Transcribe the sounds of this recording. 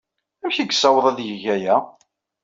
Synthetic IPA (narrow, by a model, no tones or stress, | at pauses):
æmçiɡsːæwəðˤæðjəʝæjæ